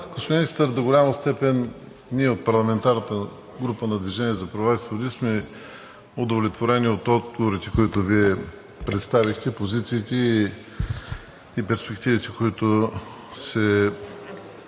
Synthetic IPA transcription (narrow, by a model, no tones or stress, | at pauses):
ɡosinist̪əɾd̪oɡolʲaməst̪ɛpɛnː | iɛot̪̚pɐɾlˠɐmɛnt̪aɾnət̪ə | ɡɾupənɐd̪viʒɛniɛzɐpɾɐvaisvod̪ismɛ | ʊd̪ovlʲɛt̪voɾɛniot̪ɔd̪̚ɡovoɾit̪ɛkoit̪ʊviɛ | pɾɛt̪st̪avixt̪ɛpozit̪siːt̪ɛ | ipɛɾspɛkt̪ivit̪ɛkoit̪ʊ | sɛ